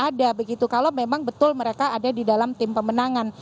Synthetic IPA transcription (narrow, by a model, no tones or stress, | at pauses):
adabəɡit̪ukalomemaŋbət̪ʊlməɾekaːdadidalamt̪ɪmpəmənaŋan